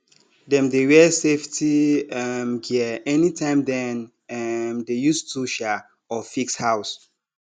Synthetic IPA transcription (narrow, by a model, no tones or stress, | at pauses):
dɛ̃mdewɛseftʰiɛmɡiəɛnitʰãɪ̃mdɛ̃n | ɛmdejustʰuʃa | ɔfikshaws